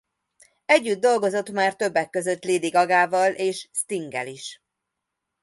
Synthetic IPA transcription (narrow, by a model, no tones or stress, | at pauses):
ɛɟːyd̪̚ːo̞lɡo̞zo̞t̪maːrt̪ø̞bːɛkːø̞zø̞t̪liːd̪iɡɒɡaːvɒlʔeːʃst̪iŋɡɛ̰liʃ